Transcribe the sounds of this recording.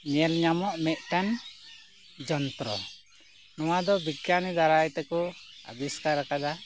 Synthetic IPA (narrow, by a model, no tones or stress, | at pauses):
ɲɛlɲamɔʔmɛʔʈan | d͡ʒɔnt̪ɾɔ̰ | nɔwad̪ɔbikanɛd̪aɾajt̪ɛkɔa̰biskaɾakad̪a